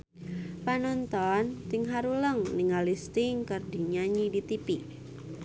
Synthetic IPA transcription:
panɔnt̪ɔnt̪ɪŋɦaɾuləŋniŋalist̪ɪŋkərdiɲaɲidit̪ipi

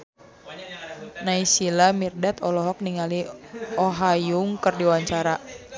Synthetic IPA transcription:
naisilamirdɛt̪ɔlɔɦɔk̚niŋaliɔɦajuŋkərdiwaɲt͡ʃaɾa

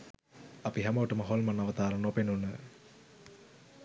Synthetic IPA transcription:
apiɦɛməʋəʈəməɦolmənaʋət̪aːɾənopenunə

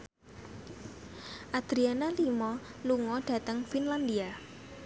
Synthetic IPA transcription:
ʔad̪̥ɾianalimɔluŋɔɖ̥a̤t̪əŋfinland̪ia

